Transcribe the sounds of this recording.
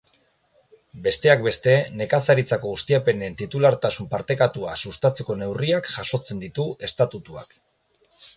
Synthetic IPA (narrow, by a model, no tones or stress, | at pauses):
be̞st̪e̞ak̚be̞st̪e̞ne̞kasaɾit͡sako̞ɣust̪iape̞nent̪it̪ulaɾt̪asumpaɾt̪e̞kat̪ua̰sust̪at͡se̞ko̞ne̞wriakʝaʃo̞t͡se̞nd̪it̪ue̞st̪at̪ut̪ua̰k